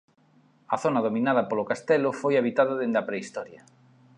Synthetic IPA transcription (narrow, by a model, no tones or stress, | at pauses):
ɐθonaðomĩnað̞ɐpolʊkast̪ɛlʊfojaβ̞it̪aðɐðend̪ɐpɾeist̪ɔɾja